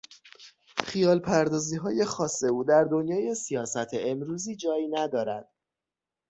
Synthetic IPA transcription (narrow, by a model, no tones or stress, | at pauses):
xijɒːlpʰæɾd̪ɒːziːɦɒːje̞xɒːsːe̞uːd̪æɾd̪o̞njɒːje̞sijɒːsæt̪ʰeemɾuːziːd͡ʒɒːjinæd̪ɒːɾæd̪̥